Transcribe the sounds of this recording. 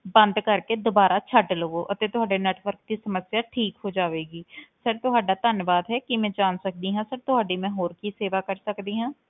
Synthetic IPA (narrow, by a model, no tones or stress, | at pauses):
bɐ̃nd̪kɐɾked̪obaːɾat͡ʃʰəʈlooʔɐt̪et̪ʊɦaːɖenɛːʈʰʋəɾk̚t̪isɐməsjaʈʰiːkɦod͡ʒaːʋeːɡiːsəɾt̪ʊɦaːɖat̪ənjʋaːd̪ɦɛkimɛ̃d͡ʒaːnsɐk̚d̪iɦɛ̃səɾt̪ʊɦaːɖimɛ̃ɦoːɾkiseːʋakəɾsəkd̪iɦɛ̃ː